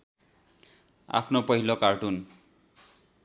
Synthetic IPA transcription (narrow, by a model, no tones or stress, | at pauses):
a̰pʰnopʌɦilokaɹʈun